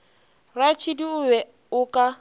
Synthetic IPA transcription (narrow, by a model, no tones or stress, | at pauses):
rat͡ʃʰidiʊβɛ | ʊkʼa